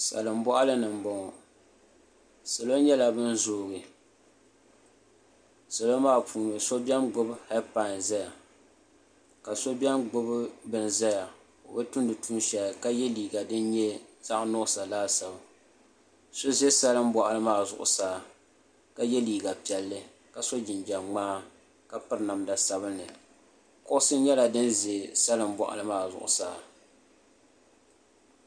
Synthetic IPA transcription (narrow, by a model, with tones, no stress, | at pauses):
sa̰˨lɨ˨m̩˦bɔ˦ʔa˦lɨ˦nɨ˨m˨bɔ˦ŋɔ˨ | sa˨lo˦n˦ɲɛ˦la˨bɨ˦n˦zoː˦ɣɨ˨ | sa˨lo˦maː˦˨pʰuː˨nɨ˨so˦bɛ˦mɡ͡bʊ˦bha˦pa˦˨n˨zɛ˦ja˨ | ka˨so˦bʲɛ˦mɡ͡bʊ˦bbɨ˨nzɛ˦ja˨ | o̰˨bɛ˦tʊ˦ndɨ˨tʰuː˦nʃɛ˨lka˦jɛ˦liː˨ɡa˨dɨ˦n˦ɲɛ˦z̥a˦ʔnɔ˦˨sa˨laː˦sa˨ba˨ | so˦ze˦sa˦lɨ˦m̩˦bɔ˨ʔa˨lɨ˦maː˦˨zʊ̰˦˨ʔʊ̰˨saː˦˨ | ka˦jɛ˦liː˨ɡa˨pi˨ɛ˨lːɨ˦ | ka˨so˦d͡ʒɪ˨nd͡ʒa˨ŋ͡maː˦ | ka˨pɨ˦ɾna˨mda˨sa˦βɨ˦nːɨ˨ | kʊ˦ʔʊ˦sɨ˦ɲɛ˦la˨dɨ˦nze˨sa˦lɨ˦m˦bɔ̰˨ʔa̰˨lɨ˦maː˨zʊ̰˨ʔʊ̰˨saː˦˨